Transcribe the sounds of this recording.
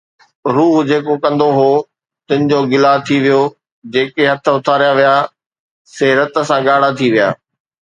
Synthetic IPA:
ɾuːɦd͡ʑeːkokɐ̃nd̪oɦoː | t̪ɪ̃nɪ̆d͡ʑoːɡɪlat̪ʰiʋijo | d͡ʑeːkeɦɐt̪ʰə̆ʊt̪ʰaːɾijaʋija | seːɾət̪əsãɠaːɽ̤at̪ʰiʋija̰ː

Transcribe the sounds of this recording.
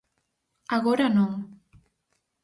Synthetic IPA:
aɣoɾanom

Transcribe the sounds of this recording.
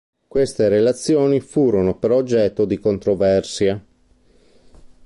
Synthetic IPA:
kwest̪eɾelat̪sːjoːnifuːɾonopeɾɔːd͡ʒːɛt̪ːod̪ikont̪ɾovɛrsja

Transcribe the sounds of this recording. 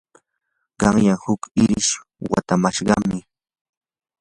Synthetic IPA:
ɢɑŋjaŋhʊkɪɾɪʃ | wa̰t̪amaʃɢɑmɪ

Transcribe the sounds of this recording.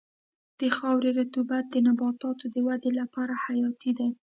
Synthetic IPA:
d̪̥əxɑwɾeɾat̪ubat̪̚d̪ənabɑt̪ɑt̪od̪əwad̪elapɑɾahajɑt̪id̪a

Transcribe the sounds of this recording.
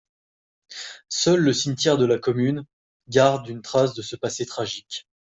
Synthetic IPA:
sœlːəsiɲt̪jɛʁd̪əlakɔmyn | ɡaʁd̪ynt̪χasd̪əsəpaset̪χaʒikʲ

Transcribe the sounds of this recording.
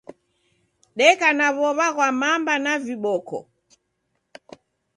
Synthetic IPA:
ɗɛkanaβɔβaɣwamambanaviɓɔkɔ̰

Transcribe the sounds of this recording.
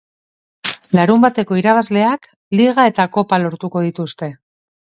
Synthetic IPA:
laɾumbat̪e̞ko̞iɾaβazle̞ak | liɣ̞ae̞t̪ako̞palo̞ɾt̪uko̞ð̞it̪ust̪e̞

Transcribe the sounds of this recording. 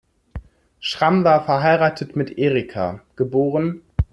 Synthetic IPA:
ʃʁ̥amvaːɐfɛɐɦaɪʁaːtʰətmɪtʔeːʁikʰa̰ɡ̥əboːʁən

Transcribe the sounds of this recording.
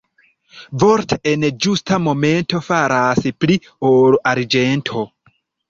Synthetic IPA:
vo̞ɾtʰeʔend͡ʒustʰamo̞me̞nto̞faɾaspli | olʔaɾd͡ʒe̞ntʰo̞

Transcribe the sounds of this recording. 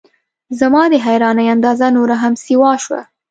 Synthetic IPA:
zamɑd̪əɦajɾɑnajand̪ɑzanoɾaɦamsiwɑʃwa̰

